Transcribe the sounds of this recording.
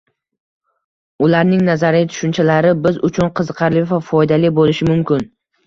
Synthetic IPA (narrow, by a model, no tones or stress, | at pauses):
ʊlaɾnɪŋnazaɾɪjt̪ʰʊ̥ʃʊnt͡ʃʰalaɾɪbɪzʊt͡ʃʰʊnqʰɨzɨqʰɑɾlɪvafɒjd̪alɪbolɪʃɪmʊmkʲɪn